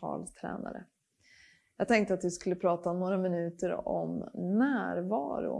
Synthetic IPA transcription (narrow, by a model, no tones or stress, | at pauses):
ɑ̰ːlt̪ʰɾɛ̰ːna̰ɾə̰ | jɑːɡ̚t̪ʰɛŋkt̪əat̪̚d̪ɪskɵlːəpʰɾɑːt̪anoːɾamɪnʉ̟ːt̪əɾɔ̰mnæːɾvɑːɾʊ̰